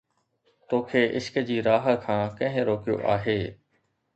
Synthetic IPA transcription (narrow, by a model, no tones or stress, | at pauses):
t̪oːkʰeːʔɪʃkəd͡ʑiːɾaːɦə̆kʰãːkɐ̃ɦɪ̃ɾoːkijo̰ʔaːɦeː